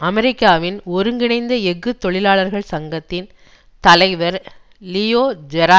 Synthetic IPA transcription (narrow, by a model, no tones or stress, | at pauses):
ɐmɛɾɪkːaːʋɪnɔɾɯŋɡɪɳɐɪnd̪ɐɛɣːɯt̪ːɔɭɪlaːɭɐɾɣɐɭsɐŋɡɐt̪ːɪn | t̪ɐlɐɪʋɐɾ | lijoːd͡ʒɛɾaː